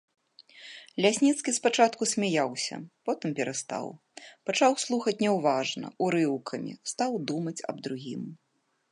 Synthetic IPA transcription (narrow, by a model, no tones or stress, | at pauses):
lʲasʲnʲit̪skʲispat͡ʂat̪kusʲmʲajawsʲɐ̰pɔt̪ɨmpʲɛɾast̪a̰w | pat͡ʂawslˠuxɐt͡sʲnʲɛwvaʐnɐ̰uɾɨwkʰɐmʲḭst̪awd̪umɐt͡sʲɐ̰bd̪ɾuɣʲim